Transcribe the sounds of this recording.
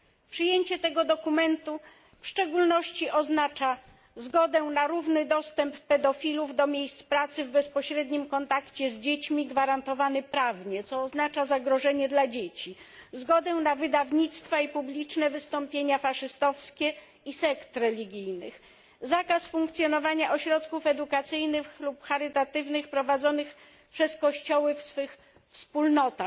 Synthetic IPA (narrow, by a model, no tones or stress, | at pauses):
pʂɘjeɲt͡ɕɛt̪ɛɡɔd̪ɔkumɛnt̪u | fʂt͡ʂɛɡulnɔɕt͡ɕiʔɔznat͡ʂa | zɡɔd̪ɛnaɾuvnɘd̪ɔst̪ɛmpːɛd̪ɔfʲiluvd̪ɔmʲjejst̪spɾat̪sɘvbɛspɔɕɾɛd̪ɲimkɔnt̪akt͡ɕɛzd͡ʑet͡ɕmʲiɡvaɾant̪ɔvanɘpɾavɲɛt̪sɔːznat͡ʂazaɡɾɔʐɛɲɛd̪lad͡ʑet͡ɕi | zɡɔd̪ɛnavɘd̪avɲit̪st̪faipublʲit͡ʂnɛvɘst̪ɔmpʲjeɲafaʂɘst̪ɔfskʲɛ | isɛkt̪ɾɛlʲiɡʲijnɘx | zakasfuŋkt̪sʲjɔnɔvaɲaʔɔɕɾɔt̪kufɛd̪ukat̪sɘjnɘxlupxaɾɘt̪at̪ɘvnɘxpɾɔvad̪zɔnɘx | pʂɛskɔɕt͡ɕɔwɘfsfɘx | fspulnɔt̪ax